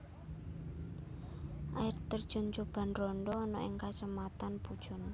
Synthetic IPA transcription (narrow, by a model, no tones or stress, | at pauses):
ʔaɪrt̪ərd̥ʒ̥o̤nt͡ʃob̥a̤nrɔnɖɔːnɔʔɪŋkat͡ʃəmat̪anpud̥ʒ̥ʊ̤n